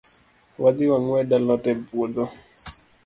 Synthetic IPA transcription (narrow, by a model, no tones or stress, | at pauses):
wad̪iwaŋwɛɗalɔtɛbuod̪ɔ